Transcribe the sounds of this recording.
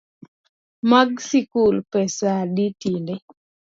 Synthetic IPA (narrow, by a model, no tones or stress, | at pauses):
maɡsikulpɛsaditinde